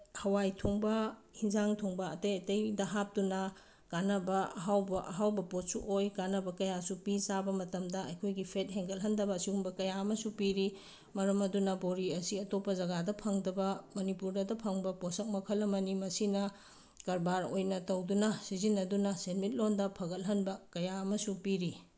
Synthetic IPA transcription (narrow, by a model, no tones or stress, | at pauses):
hɐwajtʰuŋbɐhinzaŋtʰuŋbɐɐtɐjɐtɐjdɐɦap̚tunɐ | kanɐbɐɐɦawbɐʔɐɦawbɐpot̚suʔojkanɐbɐkɐjasupisabɐmɐtɐmdɐɐjkʰojɡipʰet̚ɦeŋɡɐlɦɐndɐbɐːsiuŋbɐkɐjaɐmɐsupiɾi | mɐɾɐmɐdunɐboɾiɐsiɐtopːɐzɐɡadɐpʰɐŋdɐbɐmɐnipuɾdɐdɐpʰɐŋbɐposɐk̚mɐkʰɐlːɐmɐnimɐsinɐ | kɐɾbaɾojnɐtɐwdunɐsizinːɐdunɐsenmit̚londɐpʰɐɡɐlɦɐnbɐkɐjaɐmɐsupiɾi